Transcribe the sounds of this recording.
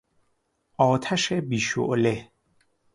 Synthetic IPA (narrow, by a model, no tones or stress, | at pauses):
ʔɒːt̪ʰæʃebiːʃo̰ʔle